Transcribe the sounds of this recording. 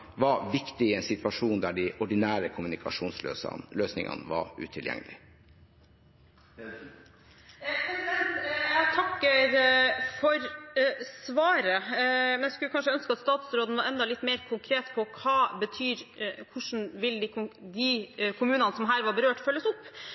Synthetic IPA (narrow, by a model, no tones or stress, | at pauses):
ʋɑɾʋɪkt̪ɪɪɛnsɪt̪ʰʋɑʂuːnd̪æɖɪʔɔɖɪnæːɾəkʰʊmʉnɪkʰɑʂuːnslø̰ːsløːsnɪ̰ŋʔɑ̰nəʋɑ̰ɾʉ̰ːt̪ʰɪljɛ̰ŋːlɪ̰ | jæt̪ʰɑkːəɾfɔɾsʋɑːɾəmɛnjæskʉlːəkɑnʂəœnskəɑt̪st̪ɑːt̪sɾoːd̪n̩ʋɑɾɛnd̪ɑlɪt̪ːmeːɾkʰʊŋkʰɾeːt̪pʰɔkʰɑːbət̪ʰyːɾkʰʊʂn̩ʋɪld̪ɪd̪ɪkʰʊmʉːnənəsɔmɦæːɾʋɑbəɾøːʈfœlːəsʊpː